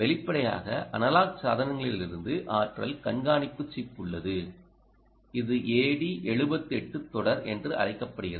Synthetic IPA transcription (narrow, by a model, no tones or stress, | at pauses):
ʋɛlɪpːɐɽɐja̰ːɣɐʔɐ̰nɐlaːksaːðɐnɐŋɡɐɭɪllɪɾɯnd̪ɯʔaːʈrɐlkɐnɡaːnɪpːɯt͡ʃːipːɯɭːɐðɯ | ɪðɯʔeːɽiʔɛɻɯbɐt̪ːɯɛʈːɯt̪ːɔɽɐɾɛndrɯʔɐ̰rɐɪkːɐpːɐɽɯɣɪrɐ